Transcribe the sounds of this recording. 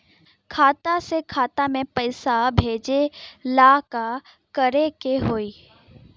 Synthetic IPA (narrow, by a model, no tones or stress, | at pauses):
kʰaːt̪asekʰaːt̪amẽpɐɪsabʱeːd͡ʑelaːka | kɐɾekeɦoːiː